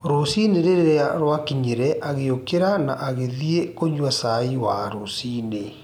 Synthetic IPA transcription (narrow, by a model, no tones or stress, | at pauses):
ɾosineɾeɾeɾeaɾwakiɲeɾɛʔaɣeokeɾanaʔaɣeðiekoɲwasaiwaɾosine